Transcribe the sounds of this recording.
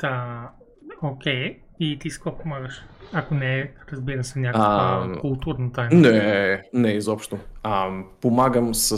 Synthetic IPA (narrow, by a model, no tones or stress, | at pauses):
d̪a | okʲej | it̪isi̥kɔpomaɡɐʃakonɛɾɐzbiɾɐsɛnʲjakkəkulˠt̪uɾnut̪ajmnɛnɛizɔpʃt̪ʊampomaɡəmsɐ